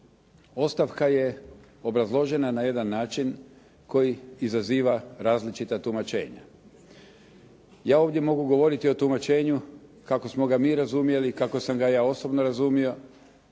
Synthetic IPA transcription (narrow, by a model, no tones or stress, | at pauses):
o̞st̪aʋkaje̞ | o̞bɾazlˠo̞ʒe̞nanaje̞d̪anːaːt͡ʃin | ko̞jiizaziːʋaɾaːzlit͡ʃit̪at̪umat͡ʃe̞̰ːɲa̰ | jaːo̞ːʋd̪je̞mo̞ɡuɡo̞ʋo̞ɾit̪io̞t̪umat͡ʃe̞ːɲukako̞smo̞ɡamiːɾazumje̞likako̞samɡajaːo̞so̞bno̞ɾazumijo̞